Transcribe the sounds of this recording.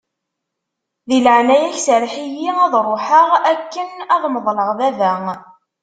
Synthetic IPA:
ðiləʕnæjæçsəɾħijiæðˤɾˤoħəʁækːənæðˤməðˤləʁðævæ

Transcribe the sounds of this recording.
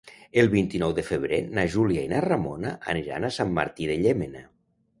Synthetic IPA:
elˠβint̪inɔwðefəβ̞ɾenaʒuljainaramonaʔa̰niɾa̰nasamːa̰ɾt̪iðeʎemena

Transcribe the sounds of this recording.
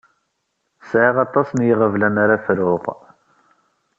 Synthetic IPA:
sʕiʁɑt̪ˤːɑsənjiʁəvlænaɾafɾʊq

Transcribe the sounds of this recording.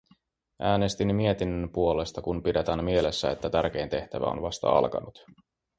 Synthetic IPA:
ʔæːne̞st̪immie̞t̪inːømpuo̞le̞st̪ɑkunpidet̪ænmie̞le̞sːæet̪ːæt̪ærk̟e̞jnt̪e̞ht̪æʋæ̰o̰nʋɑst̪ɑ̰ɑ̰lkɑ̰nut̪

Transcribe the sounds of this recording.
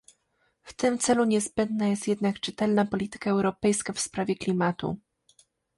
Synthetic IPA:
ft̪ɘmt̪sɛluɲɛzbɛnd̪najɛst̪jɛd̪nakt͡ʂɘt̪ɛlnapɔlʲit̪ɘ̥kaɛwɾɔpɛjskafspɾavʲjɛklʲimat̪ṵ

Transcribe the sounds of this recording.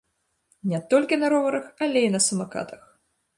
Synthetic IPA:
nʲɛt̪ɔlʲkʲinɐɾɔvɐɾɐxalʲeinɐsɐmaka̰t̪ɐx

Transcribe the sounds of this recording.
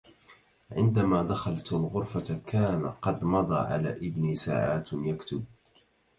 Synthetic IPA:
ʕɪnd̪amaːd̪axɑlt̪alɣʊɾfakaːna̰qɑd̪mɑd̪ˤɑ̰ːʕa̰la̰ːʔɪbniːsa̰ːʕaːt̪jakt̪ʊb̚

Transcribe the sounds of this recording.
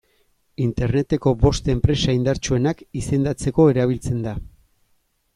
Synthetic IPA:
int̪e̞ɾne̞t̪e̞ko̞βo̞st̪e̞mpɾe̞saind̪aɾt͡ʃue̞nakise̞nd̪at͡se̞ko̞e̞ɾaβ̞ilt͡se̞nd̪a

